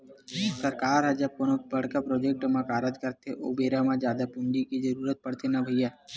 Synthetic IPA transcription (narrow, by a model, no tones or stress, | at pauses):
sɐɾkaːɾɦɛd͡ʒɐb̚koːnobɐɽkapɾoːd͡ʒek̚ʈmãkaːɾəd͡ʒkɐɾt̪eʔo̰ːbeːɾamãd͡ʒjaːd̪apʊ̃nd͡ʒikid͡ʒɐɾuːɾət̪̚pɐɽ̤t̪enabʱɐiaː